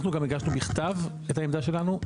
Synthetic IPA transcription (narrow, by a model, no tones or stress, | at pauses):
χnuɡamiɡaʃnubiχt̪av | ethaemd̪aʃe̞lanu